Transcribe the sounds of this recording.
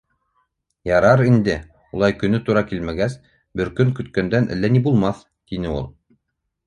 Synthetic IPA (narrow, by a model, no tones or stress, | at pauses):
jɑɾɑɾind̪ɘ | ulˠɑjkɵ̆nɵt̪uɾɑkilmæɡæs | bɘɾkɵŋkɵ̆t̪kænd̪ænʔæ̰lːænibulˠmɑθ | t̪inɘulˠ